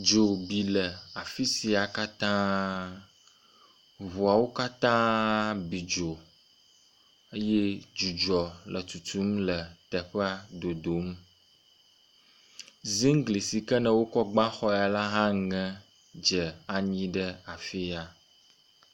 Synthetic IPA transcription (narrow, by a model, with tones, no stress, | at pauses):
d͡ʒo˨bi˨lə˨a˨fi˦si˨a˨ka˦t̪ã˦ | βo˨a˨wo˦ka˦t̪ã˦bi˨d͡ʒo˨ | ə˦je˦d͡ʒu˨d͡ʒɔ˨lə˨t̪u˨t̪u˦mlə˨t̪ɛ˨ɸɛ˦a˦d̪o˨d̪o˨˦m | zi˦ŋ˦ɡli˨si˨kə˦nə̃˨wo˦kɔ˦ɡ͡bã˦xɔ˦˨a˨la˦ɦã˦ŋɛ̃˦ | d͡ʒə˨a˨ɲĩ˦ɖə˦a˨fi˦a˨